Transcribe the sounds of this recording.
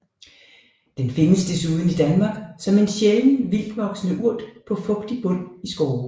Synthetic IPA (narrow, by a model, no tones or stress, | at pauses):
d̥enfe̝nəsd̥e̝suːð̞ˠən̩id̥ænmɑ̈ːɡ̥sɒ̽me̝nɕeln̩ʋild̥ʋɒ̽ɡ̥sənəʔuɐ̰d̥pʰɒ̽fɔ̽ɡ̥d̥ib̥ɔ̽l̰isɡ̥ɒːʊ